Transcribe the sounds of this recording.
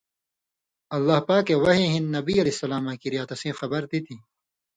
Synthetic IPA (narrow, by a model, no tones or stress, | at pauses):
ɐlːaːhpaːkewɐɦẽɦinːɐbiːɐlesɐlaːmãːkiɾijaːt̪ɐsẽːxɐbɐɾt̪it̪ʰiː